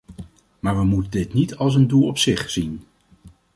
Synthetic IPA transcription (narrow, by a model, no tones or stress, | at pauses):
maːɹʋəmutədɪtnitɑlˠs̬əndulˠɔpsɪχsin